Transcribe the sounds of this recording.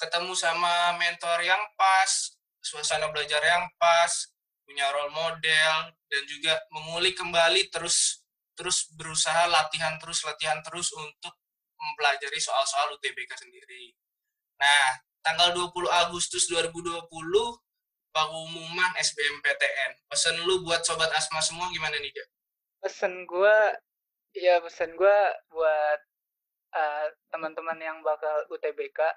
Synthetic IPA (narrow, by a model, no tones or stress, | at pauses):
kət̪əmusamamɛnt̪ɔrjampas | suasanabəlad͡ʒarjampas | puɲaɾɔlmodɛldand͡ʒuɡaməŋulɪhkəmbalit̪əɾʊs | t̪əɾʊsbəɾusaɦalat̪iɦant̪əɾʊslat̪iɦant̪əɾʊsunt̪ʊk̚ | məmpəlad͡ʒaɾisoalsoalut̪ebekasəndiɾi | nah | t̪aŋɡalduapuluɦaɡust̪ʊsduaɾibuduapulʊh | baɡuumumanɛsbeɛmpet̪eʔɛnpəsənlubuat̪̚sobat̪̚asmasəmuaɡimananid͡ʒa | pəsənɡua | japəsənɡuabuat̪̚ | ʔəː | əmənt̪əmanjaŋbakalut̪ebeka